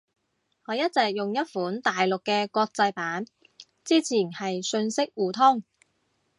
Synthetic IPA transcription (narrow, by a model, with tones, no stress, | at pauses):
hɔː˨˧jɐ˥t̚t͡sɛː˨k̚jʊ˨ŋjɐ˥t̚fuː˨˥nt̪aː˨jlʊ˨kːɛː˧kʷɔː˧k̚t͡sɐ˧jpaː˨˥n | t͡siː˥t͡sʰiː˨˩nhɐ˨jsɵ˧nsɪ˥k̚wuː˨t̪ʰʊ˥ŋ